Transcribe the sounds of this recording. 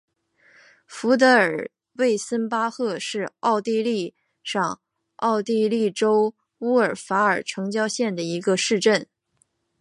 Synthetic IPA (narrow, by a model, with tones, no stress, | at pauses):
fu˧˥t̪̬ɤ˧˥ə˞˨˩ | we˥˩ɪsə˥npa˥xɤ˥˧ʂɻ̩˥˧ɑ˥˧ʊt̪i˥˧li˥˧ | ʂɑ˥˩ŋ | ɑ˥˧ʊt̪i˥˧li˥˩ʈ͡ʂo˥ʊ | u˥ə˞˨˩fa˧˥ə˞˨˩ʈ͡ʂʰɤ˧˥ŋt͡ɕjɑ˥ʊɕjɛ˥˩nd̪ə˩i˧˥ɡə˧ʂɻ̩˥˧ʈ͡ʂə˥˩n